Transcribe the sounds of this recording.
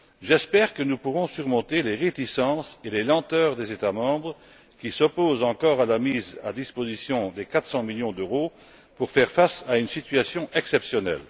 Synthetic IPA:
ʒɛspɛʁkənupuʁɔ̃syʁmɔ̃t̪eleʁet̪isɑ̃selelɑ̃t̪œːʁd̪ezet̪amɑ̃bʁə | kʲisɔpozɑ̃kɔʁalamiza̰d̪ispozisjɔ̃d̪ekat̪sɑ̃miljɔ̃d̪øʁo | puʁfɛʁfasaynsit̪ɥasjɔ̃ʔɛksɛpsjɔnɛ̰l

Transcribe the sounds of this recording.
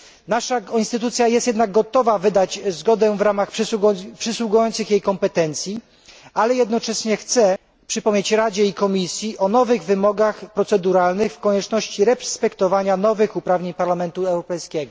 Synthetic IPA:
naʂainst̪ɘt̪ut̪sʲjajɛst̪jɛd̪naɡ̚ɡɔt̪ɔvavɘd̪at͡ɕzɡɔd̪ɛvɾamaxpʂɘswuɡujɔnt̪sɘxjejkɔmpɛt̪ɛnt̪sʲji | alɛjɛd̪nɔt͡ʂɛɕɲɛxt̪sɛ | pʂɘpɔmɲet͡ɕɾad͡ʑɛikɔmʲisʲjiʔɔnɔvɘɣvɘmɔɡaxpɾɔt̪sɛd̪uɾalnɘxfkɔɲɛt͡ʂnɔɕt͡ɕiɾɛpspɛkt̪ɔvaɲanɔvɘxupɾavɲeɲpaɾlamɛnt̪uɛwɾɔpɛjskʲɛɡɔ

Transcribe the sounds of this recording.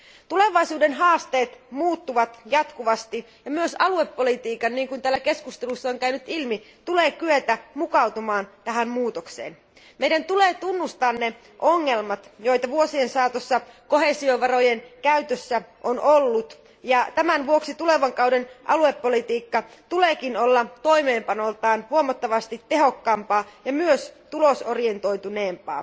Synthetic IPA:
t̪ule̞ʋɑjsuːde̞nɦɑːst̪e̞ːt̪muːt̪ːuʋɑt̪jɑt̪kuʋɑst̪i | jɑmyøsɑlue̞pːo̞lit̪iːkɑnːiːŋkunt̪æːlːæke̞skust̪elusːɑoŋkæynyt̪ilmi | t̪ule̞ːkyet̪æmukɑwt̪umɑːnt̪æɦæmmuːt̪okse̞̰ːn | mejdænt̪ule̞ːt̪unːust̪ɑːnne̞ | ʔoŋːe̞lmɑt̪jo̞jt̪ɑʋuosie̞nsɑːt̪osːɑko̞ɦe̞sioʋɑro̞jenkæyt̪øsːæʔonolːut̪ | jɑt̪æmænʋuo̞ksit̪ule̞ʋɑŋkɑwdenʔɑ̰lue̞pːolit̪iːkːɑt̪uleːkinolːɑt̪o̞ime̞ːmpɑnolt̪ɑːnhuomɑt̪ːɑʋɑst̪it̪ːe̞ɦo̞kːɑːmpɑːjɑmyøst̪ulosorie̞nt̪o̞jt̪une̞ːmpɑ̰ː

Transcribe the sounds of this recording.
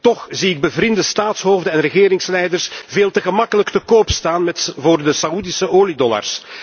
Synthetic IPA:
t̪ɔxziɪɡ̚bəvɾɪndəstaːtsɦoːvdənɛnrəɣeːɾɪŋslɛjdərsveːlˠtəɣəmɑkələktəkoːpstaːnmɛtvoːrdəsaudisəʔoːlidɔla̰rs

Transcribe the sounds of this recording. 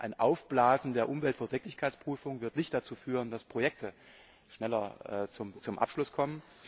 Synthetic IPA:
ʔaɪnʔaʊfb̥laːzn̩deːɐʔʊmvɛltfɛɐdʰɛːklɪçkʰaɪt͡sb̥ʁ̥yːfʊŋvɪɐtnɪçtd̥at͡suːfyːʁ̞əndaspʁ̥ojɛk̚tʰə | ʃnɛlɐʔɛ̰ːt͡sʊmt͡sʊmʔa̰pʃlʊskʰɔmən

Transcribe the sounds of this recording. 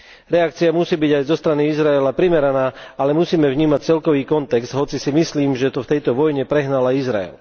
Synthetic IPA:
ɾɛakt͡siamusiːbiɟajzɔst̪ɾaniizɾaɛlapɾimɛɾanaːalɛmusiːmɛvɲiːmac̚t͡sɛlkɔʋiːkɔnt̪ɛkz̥d̪ɦɔt͡sisimisliːmʒɛt̪ɔft̪ɛjt̪ɔʋɔjɲɛpɾɛɦnalajizɾa̰ɛ̰l

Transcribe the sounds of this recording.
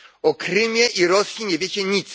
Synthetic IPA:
ɔkɾɘmʲjɛʔiɾɔsʲjiɲɛvʲjɛt͡ɕɛɲit̪s

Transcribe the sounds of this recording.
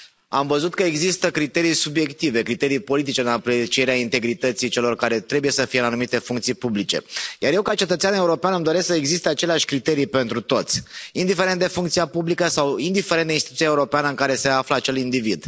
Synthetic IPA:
amvəzut̪kəeɡzist̪əkɾit̪e̞ɾijsubje̞kt̪ive̞kɾit̪e̞ɾijpo̞lit̪̬it͡ʃe̞ɨnapɾet͡ʃie̞ɾeaint̪e̞ɡɾit̪ət̪sit͡ʃe̞lo̞rkaɾe̞t̪ɾe̞buje̞səfijeɨnanumit̪e̞fuŋkt̪sijpublit͡ʃe̞̰jarjewkat͡ʃe̞t̪ət̪sʲaneuɾo̞peanɨmd̪o̞ɾesksəeɡzist̪eat͡ʃe̞leaʃʲkɾit̪e̞ɾijpe̞nt̪ɾut̪o̞t̪sʲind̪ife̞ɾent̪d̪e̞fuŋkt̪siapublikəsawind̪ifeɾeneinst̪it̪u̥t̪iaeuɾo̞peanəɨŋkaɾe̞se̞afləat͡ʃe̞lind̪ivid̪

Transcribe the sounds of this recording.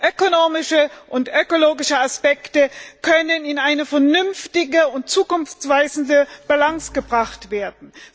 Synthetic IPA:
ʔøkonoːmɪʃəʔʊntʔøkoloːɡɪʃəaspɛktəkʰœnənɪnaɪnəfɛɐnʏnftɪɡəʊnt̚t͡suːkʊnft͡sv̥aɪzn̩dəb̥alaŋsɡ̥əbʁaχtv̥eːɐdn̩

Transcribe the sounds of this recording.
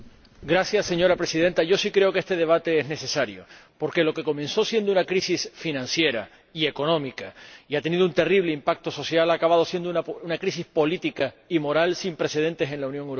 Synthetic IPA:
ɡɾasjasːe̞ɲo̞ɾapɾe̞sið̞ẽ̞nt̪aʝo̞sikɾe̞o̞kee̞st̪e̞ð̞e̞β̞at̪e̞ezne̞se̞saɾjo̞̰po̞ɾke̞lo̞ke̞ko̞mẽ̞nso̞sje̞nd̪ounakɾisisfinãnsje̞ɾa̰ | ie̞ko̞nõ̞mikaiat̪enið̞ount̪e̞riβ̞le̞impak̚t̪o̞so̞sjalakaβað̞o̞sje̞nd̪onaunakɾisispo̞lit̪ika | imo̞ɾalsimpɾe̞se̞ð̞e̞nt̪e̞se̞nlaunjoŋewɾo

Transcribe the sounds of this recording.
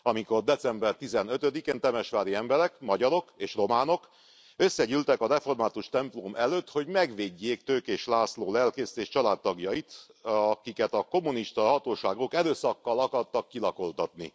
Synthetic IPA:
ɒmiko̞rd̪ɛsɛmbɛrt̪izɛnøt̪ød̪ikeːnt̪ɛmɛʃʋaːɾiɛmbɛɾɛkmɒɟɒɾo̞keːʃro̞maːno̞k | ø̞sːɛɟylt̪ɛkɒɾɛfo̞rmaːt̪uʃt̪ɛmplomʔɛløːt̪ho̞ɟmɛɡʋeːɟːeːkt̪øːkeːʃlaːsloːlɛlkeːst̪eːʃt͡ʃɒlaːt̪ːɒɡjɒit̪ɒkikɛt̪ɒko̞mːuniʃt̪ɒɦɒt̪oːʃaːɡokɛɾøːsɒkːɒlɒkɒrt̪ɒkːilɒko̞lt̪ɒt̪nḭ

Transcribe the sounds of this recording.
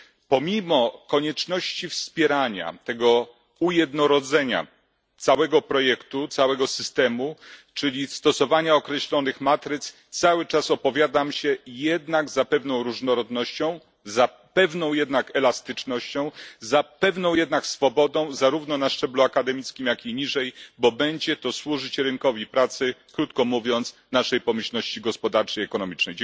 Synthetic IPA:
pɔmʲimɔkɔɲɛt͡ʂnɔɕt͡ɕifspʲjɛɾaɲa̰t̪ɛɡɔ | ujɛd̪nɔɾɔd̪zɛɲa̰ | t̪sawɛɡɔpɾɔjɛkt̪ut̪sawɛɡɔsɘst̪ɛmut͡ʂɘlʲist̪ɔsɔvaɲaɔkɾɛɕlɔnɘxmat̪ɾɘt̪st̪sawɘt͡ʂasɔpɔvʲjad̪amɕɛjɛd̪naɡzapɛvnɔ̃w̃ɾuʐnɔɾɔd̪nɔɕt͡ɕɔ̃w̃ | za | pɛvnɔ̃w̃jɛd̪nakɛlast̪ɘt͡ʂnɔɕt͡ɕɔ̃w̃zapɛvnɔ̃w̃jɛd̪naksfɔbɔd̪ɔ̃w̃zaɾuvnɔnaʂt͡ʂɛbluakad̪ɛmʲit̪skʲimjakʲiɲiʐɛjbɔbɛɲd͡ʑɛt̪ɔswuʐɘt͡ɕɾɘŋkɔvʲipɾat̪sɘkɾut̪kɔmuvʲjɔnt̪snaʂɛjpɔmɘɕlnɔɕt͡ɕiɡɔspɔd̪aɾt͡ʂɛiɛkɔnɔmʲit͡ʂnɛjd͡ʑ

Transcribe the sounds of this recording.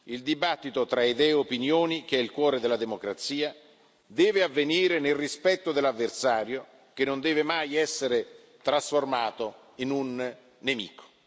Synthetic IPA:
ild̪ibat̪ːit̪ot̪ɾaed̪ɛjopinjoːnik̟eɛilkwɔːɾed̪elad̪emokɾat̪siːa | d̪ɛːveavːeniːɾenelrispɛt̪ːod̪elːavːersaːɾjo | k̟enːond̪ɛːvemajɛsːeɾe | t̪ɾasformaːt̪o | inunː | emḭːko̥

